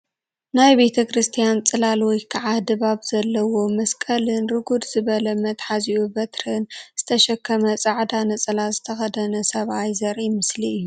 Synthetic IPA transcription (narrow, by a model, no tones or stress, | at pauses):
najbe̞t̪ʰɐkɾɨst̪ʰijant͡sʼɨlalwɔjkʰaʕad̪ɨβaβzɐlːɐwo̞mɐskʼɐlɨnɾɨɡud̪z̥ɨβɐlɐmɐt̪ħaziubɐt̪ɾɨnz̥ɨt̪ʰɐʃɐkʰːɐmɐt͡sʼaʕd̪anɐt͡sʼɨlazɨt̪ʰɐxɐd̪ɐnɐsɐβajzɐɾʔimɨsliɨjːu